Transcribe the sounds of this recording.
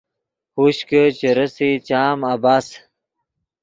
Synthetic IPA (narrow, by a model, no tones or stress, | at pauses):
huɕkət͡ɕeɾəsit͡ɕaːmabaːs